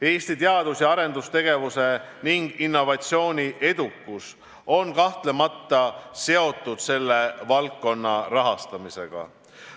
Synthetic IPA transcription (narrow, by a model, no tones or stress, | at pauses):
e̞ːst̪it̪eɑd̪̥usjɑɑɾe̞nd̪̥ust̪e̞ɡ̥e̞vuse̞ | niŋɡ̥inːo̞vɑt̪ʲsio̞ːnʲiʔe̞d̪̥ukːus | o̞nkɑht̪le̞mɑt̪ːˑɑse̞o̞t̪ːˑud̪̥se̞lːe̞vɑlkːo̞nːɑrɑɦɑst̪ɑmise̞̰ɡ̥ɑ̰